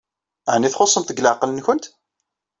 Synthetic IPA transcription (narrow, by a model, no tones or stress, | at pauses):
ʕnːiθχosˤːənt̪əɡlaʕqlənçʊnt̪